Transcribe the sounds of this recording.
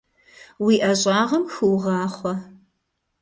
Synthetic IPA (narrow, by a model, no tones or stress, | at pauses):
wiːʔɐɕʼɑːʁɐmxɨwʁɑːχʷɔ